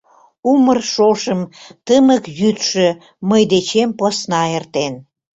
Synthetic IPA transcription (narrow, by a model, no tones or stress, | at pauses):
umərʃoʃəmt̪əməkjyt̪ʃø̆ | məjd̪et͡ɕemposnɑert̪en